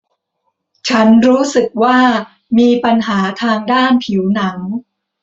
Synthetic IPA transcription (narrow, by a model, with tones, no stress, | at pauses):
t͡ɕʰa˦˥nɾuː˦˥sɯ˨˩k̚waː˥˩ | miː˧pa˧nɦaː˩˦t̪ʰaː˧ŋdaː˥˩npʰi˩˦wna˩˦ŋ